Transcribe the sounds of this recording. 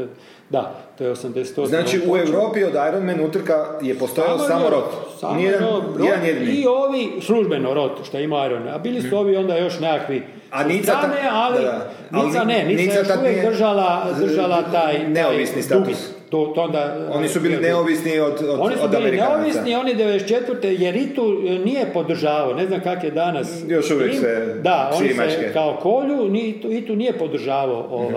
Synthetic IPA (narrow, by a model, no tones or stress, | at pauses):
d̪a̰t̪ojeosamd̪ese̥t̪onaːt͡ʃiuewɾoːpiod̪ajɾonmenut̪r̩kajepost̪ojalamoɾot̪sa̰ːmed̪oɾed̪anjed̪ioʋisluʒbenoɾo̞t̪ʃt̪ojeimoajɾonmeabiːlisuo̞ːʋio̞nd̪ajo̞ʃnekakʋi | aniaanealia | nilaneninijaoʃuʋjekd̪r̩ʒalad̪r̩ʒalat̪aːj̪eaojʋisnist̪ui | t̪ot̪ond̪aonisubiːlineoʋisniod̪o̞nisubimliɾineoʋisnio̞nid̪eed̪eset͡ʃet̪ʋəɾt̪ejeɾit̪unije̞po̞d̪r̩ʒaːʋaoneznamkakjed̪anas | joʃuʋjeised̪ao̞ismaekekaoko̞ʎunit̪uit̪unijepod̪r̩ʒaːʋaooʋa